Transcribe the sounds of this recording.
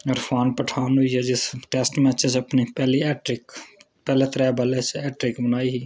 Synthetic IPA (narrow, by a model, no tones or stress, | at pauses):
ɐɾfʰaːnpəʈʰaːnɦʊiɛd͡ʒɪsʈeːsʈmɛːt͡ʃesɐpnipɛːliɛːʈɾɪk | pɛːlet̪ɾɛːbəlesɛːʈɾɪkbənaːiɦiː